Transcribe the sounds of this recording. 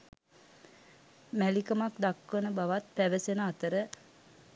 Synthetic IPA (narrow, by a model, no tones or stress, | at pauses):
mælikəmakd̪akʋənəbaʋat̪̚pæʋəsenəat̪əɾə